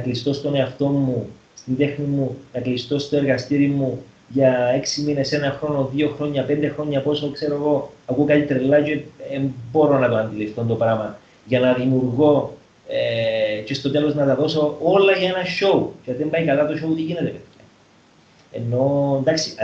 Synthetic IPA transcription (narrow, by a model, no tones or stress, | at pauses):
nɐklist̪o̞st̪o̞ne̞ɐft̪o̞mːu | st̪ind̪e̞xnimunɐklist̪o̞st̪o̞e̞ɾɣɐst̪iɾimu | ʝɐe̞ksimine̞se̞nɐxɾo̞no̞ðio̞xɾo̞ɲːɐpe̞nd̪exɾo̞ɲːɐpo̞sokse̞ɾoeɣo̞ɐkukɐt̪it̪ɾelːɐceembo̞ɾo̞nɐt̪oɐnd̪ilift̪ont̪o̞pɾɐmɐ | ʝɐnɐðimjuɾɣo̞ | ece̞st̪o̞t̪e̞lo̞znɐt̪ɐðo̞so̞olːɐʝɐenɐʃo̞ut͡ʃeðembɐikɐlɐt̪oʃout̪iʝinet̪epejɐ | e̞̰nːo̞nd̪aksi